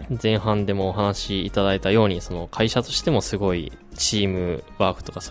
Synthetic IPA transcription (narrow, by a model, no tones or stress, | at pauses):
zẽ̞ɰ̃ɦãnd̪e̞mo̞ːɦanaɕiːt̪ad̪ait̪ajo̞ːɲ̟iso̞no̞kʰaiɕat̪o̞ɕi̥t̪e̞mo̞sɨɡo̞ḭ | t͡ɕiːmɯ̟βaːkɯ̟t̪o̞kas